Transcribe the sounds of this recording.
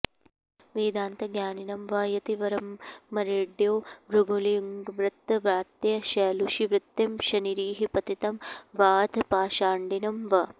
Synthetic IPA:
ʋeːd̪aːnt̪ɐɡjaːninɐmʋaːjɐt̪iʋɐɾɐmːɐɾeːɖjoːʋɾuɡʱuliŋɡʋɾɨt̪ːɐʋɾaːt̪jɐʃɐːluʃiʋɾɪt̪ːjɐmʃɐniɾiːɦipɐt̪it̪ɐmʋaːd̪ʱpaːʃaːɳɖinɐmʋɐ

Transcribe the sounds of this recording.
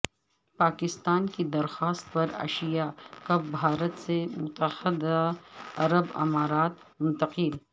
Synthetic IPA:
paːkɪst̪aːnkid̪ɐɾxaːst̪̚pɐɾɐ̰ʃijakɐbbʱaːɾət̪semʊt̪əhɪd̪aɐɾəbɐ̰maːɾaːt̪ | mʊ̃nt̪ɐqɪl

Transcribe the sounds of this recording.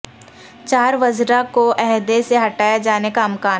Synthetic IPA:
t͡ʃaːɾʋɐzɾakoʔɛɦd̪eseɦɐʈaːjad͡ʒaːnekaɐmkaː

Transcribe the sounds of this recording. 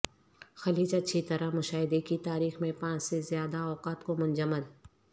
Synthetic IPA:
xɐliːt͡ʃɐtːʃʰit̪ɐɾamʊʃaːɦɪd̪ekit̪aːɾiːxmẽpãːt͡ʃsezjaːd̪aɔːqaːt̪komʊ̃nd͡ʒəmːəl

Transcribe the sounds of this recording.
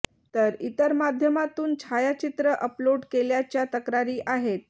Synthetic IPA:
t̪əɾit̪əɾmad̪ʱjəmat̪uːnt͡ɕʰajat͡ɕit̪ɾəʔəploɖkeljat͡ɕjat̪əkɾaɾiːʔaɦet̪̚

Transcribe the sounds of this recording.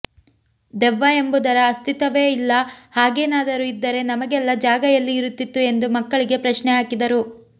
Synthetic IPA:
d̪ɛʋːaembud̪ɐɾɐːst̪ʰit̪ɐʋeːilːɐhaːɡeːnaːd̪ɐɾuid̪ːɐɾe̞nɐmɐɡɛlːɐd͡ʒaːɡɐjɐlːiːɾut̪ːit̪ːue̞nd̪umɐkːɐɭiɡe̞pɾɐʃnɛaːkid̪ɐɾu

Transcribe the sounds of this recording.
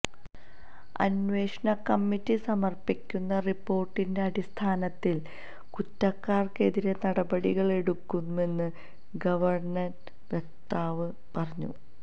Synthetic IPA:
ɐ̰nʋe̞ːʂɳɐkɐmːitːisɐmɐrpikʲːunːɐripːo̞ːrʈːinde̞ɐɽist̪ʰaːnɐt̪ːil | kutːɐkːaːrke̞ðiɾenɐɽɐbɐɽiɣɐɭe̞ɽukːune̞nːɨ | ɡɐʋɐrɳɐn | ʋjek̚t̪aːʋɨ | pɐrɐɲːṵ

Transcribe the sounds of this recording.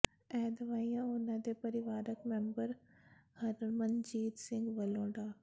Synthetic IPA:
ɛːd̪ɐʋaːijãonãd̪epɐɾɪʋaːɾəkmɛ̃mbəɾhɐɾɾmənd͡ʒiːd̪sɪ̃ŋɡʋɐlõːɖaː

